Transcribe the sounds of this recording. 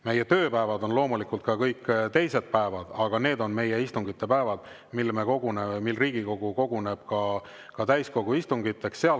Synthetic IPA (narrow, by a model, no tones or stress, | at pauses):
me̞jːet̪ø̞ːpæevɑd̪o̞nlo̞ːmulikˑult̪kɑkɤjkːt̪e̞jse̞d̪̥̚pæevɑd̪̥ɑɡ̥ɑne̞ːd̪o̞nme̞jeist̪uŋɡ̥it̪ːe̞pæevɑd̪̥ | milːme̞ko̞ɡ̥unemilriːɡ̥iko̞ɡ̥uko̞ɡ̥une̞b̥kɑ | kɑt̪æjsko̞ɡ̥uist̪uŋɡ̥it̪ːˑe̞ksːeɑl